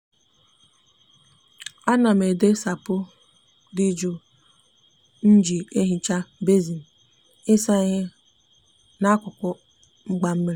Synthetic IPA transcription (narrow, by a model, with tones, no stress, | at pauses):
a˦na˨m̩˨e˨de˦sa˨pʊ˦ | di˦d͡ʒo˦ | n̩˦d͡ʒi˨e˦ɦi˦t͡ʃa˦be˦zi˨n̩˨ | ɪ˦sa˦ɦɪ˦ | na˦kʷʊ˨kʷʊ˦ | ŋ͡m̩˦ɡ͡ba˦m̩˦me˦ɾ